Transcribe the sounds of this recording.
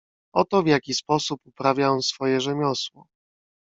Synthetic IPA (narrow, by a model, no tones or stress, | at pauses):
ɔt̪ɔvʲjakʲispɔsupupɾavʲjaɔw̃sfɔjɛʐɛmʲɔswɔ